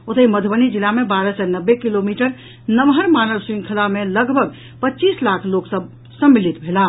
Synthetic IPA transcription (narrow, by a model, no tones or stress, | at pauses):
ot̪iməd̪ʱbənid͡ʒilamebaɾəsɛnəbːekilomiʈəɾ | nəmɦəɾmanəlsɾĩŋkʰəlameləɡbʱəɡ | pətːt͡ʃislakʰloksəb | sə̃mːilit̪bʱela